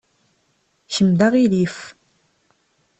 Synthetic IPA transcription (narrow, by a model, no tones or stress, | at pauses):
çəmd̪aʁilif